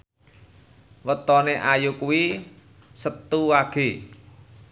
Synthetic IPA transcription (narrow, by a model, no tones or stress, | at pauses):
wət̪ɔneʔajukuwi | sət̪ːuwaɡ̥e̤